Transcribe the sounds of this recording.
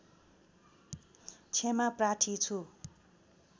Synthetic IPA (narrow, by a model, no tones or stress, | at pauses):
t͡sʰemapraʈʰit͡sʰu